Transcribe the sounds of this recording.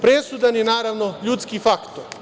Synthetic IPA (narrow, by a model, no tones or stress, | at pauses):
pɾesud̪anjenaːɾaʋno̞ʎut̪skifakt̪oɾ